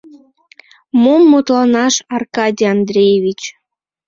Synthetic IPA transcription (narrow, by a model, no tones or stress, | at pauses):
momːot̪lɑnɑʃɑrkɑdʲiɑnd̪rʲejeβʲit͡ɕ